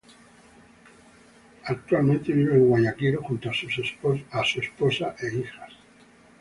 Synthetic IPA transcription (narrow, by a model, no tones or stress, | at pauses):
ak̚t̪walmẽ̞nt̪e̞βiβeːŋɣwaɲakiɾoxunt̪oasussasue̞spo̞saʔe̞ixas